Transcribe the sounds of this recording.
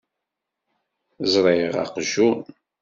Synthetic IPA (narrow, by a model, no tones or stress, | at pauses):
zɾˤɑjəʁɑ̰qʒun